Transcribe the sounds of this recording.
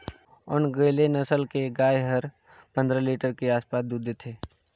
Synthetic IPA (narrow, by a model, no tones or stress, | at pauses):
ʊnɡəlenəsəlkeɡaːjɦəɾ | pə̃nd̪ɾəliːʈəɾkeaːspaːsd̪ud̪ʱet̪ʰeː